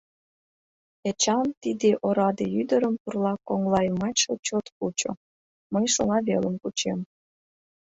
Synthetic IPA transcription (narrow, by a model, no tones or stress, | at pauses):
et͡ɕɑnt̪id̪eʔoɾɑd̪eyd̪əɾəmpurlɑkoŋlɑjmɑt͡ɕot͡ɕot̪kut͡ɕo̰ | məjʃonɑβeləmkut͡ɕem